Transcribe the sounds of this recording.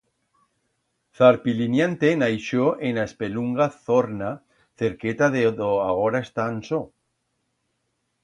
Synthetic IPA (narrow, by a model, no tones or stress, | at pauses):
θaɾpilinjant̪enajʃoʔenaespeluŋɡaθoɾna | θe̞ɾket̪aðeðoaɣ̞oɾaest̪anso